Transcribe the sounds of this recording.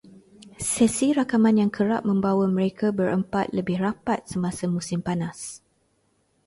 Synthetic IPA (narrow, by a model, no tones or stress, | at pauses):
sɛsiɾakamãnjaŋkʰəɾap̚mə̃mbawəmə̃ɾekʰabəɾəmpat̪̚ləbɪhrapat̪̚səmasamũsɪmpanas